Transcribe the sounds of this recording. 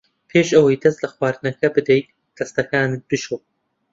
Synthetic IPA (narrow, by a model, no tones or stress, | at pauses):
pʰeːʃʔɐwɐjd̪ɐst̪lɐxwaːɾɨnɐkɐbɨd̪ejt̪̚ | d̪̥ɐst̪ɐkaːnɨt̪̚b̥ɨʃoː